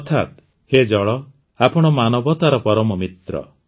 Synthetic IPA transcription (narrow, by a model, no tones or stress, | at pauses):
ɔt̪ʰat̪ | hed͡ʒɔɭɔ | apɔɽ̃ɔmanɔbɔt̪aɾɔpɔɾɔmɔmit̪ɾɔ̰